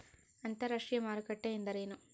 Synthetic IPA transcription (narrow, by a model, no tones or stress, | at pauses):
ɐnt̪ɐɾɐʂɪjɐmaːɾɯkɐʈːɐɪnd̪ɐɾɐjɐnɯm